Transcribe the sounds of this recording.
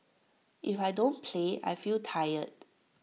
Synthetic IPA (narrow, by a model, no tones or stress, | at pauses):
ʔifajdõnpʰlea̰jfiltʰajət̚